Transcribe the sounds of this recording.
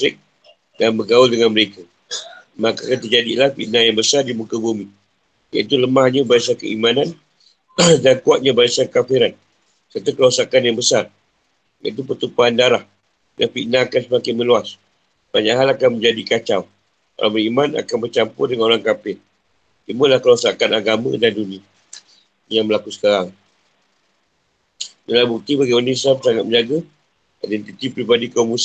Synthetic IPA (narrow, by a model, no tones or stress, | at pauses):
sɪk̚ | danbəɡaʊldəŋanməɾeka | makakant̪ərd͡ʒadilahfḭʔnajaŋbəsardimukabumi | ja̰it̪̬uləmahɲabaisakə̰imanan | dankuat̪̚ɲabaisakafiɾan | sərt̪ukəluasakanjaŋbəsar | ja̰ʔit̪̬upət̪upaandaɾah | dafiʔnaːkansəmakɪnməluas | b̥aɲaʔɦalakanməɲd͡ʒadikat͡ʃaw | ka̰la̰bəɾimana̰kanbərt͡ʃampʊrdəŋanoɾaŋkapɪr | imalahkəlaasakanaɡamã̰dandunĩa | jaŋməlakusə̥kaɾaŋ | dəabuk̚t̪ibaɡiunislamsaŋat̪̚mə̃ɲd͡ʒaɡa | adɛnt̪it̪ipɾibadikaumus